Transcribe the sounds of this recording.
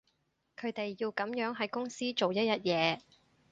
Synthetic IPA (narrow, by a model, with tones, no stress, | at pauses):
kʰɵ˨˧ɥt̪e˨jːiː˧wkɐ˨˥mjœː˨˥ŋɦɐ˨˥jkʊ˥ŋsiː˥t͡ʃo˨wjɐ˥jɐ˥t̚jɛː˨˧